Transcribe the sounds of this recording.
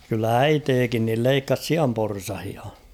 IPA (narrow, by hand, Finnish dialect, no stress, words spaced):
kylːæ æiteːkin nil leikːɑs siɑmporsɑhiɑ